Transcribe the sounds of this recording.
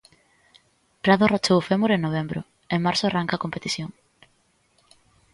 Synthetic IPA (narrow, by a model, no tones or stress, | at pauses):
pɾaðorat͡ʃowfemoɾeŋnoβ̞embɾʊ̰ | eŋmaɾsoaraŋkakompet̪iθjoŋ